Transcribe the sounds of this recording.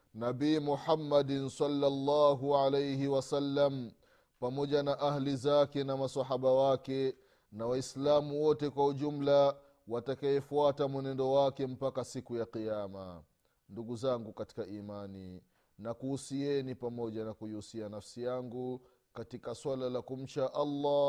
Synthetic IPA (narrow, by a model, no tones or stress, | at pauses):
nabiːmuħamːadnsɑlːalːaːɦuʕalejhiwasalːam | pamɔʄanaʔahlizakɛnamasaɦaɓawakɛ | nawaislamuwɔtɛkwauʄum̩la | watakaɛfuatamwɛnɛndɔwakɛm̩pakasikujaqijama̰ | nduɡuzaŋɡukati̥kaʔimani | nakuhusiɛnipamɔʄanakujiusianafsijaŋɡu | katikaswalalakum̩t͡ʃaʔalːa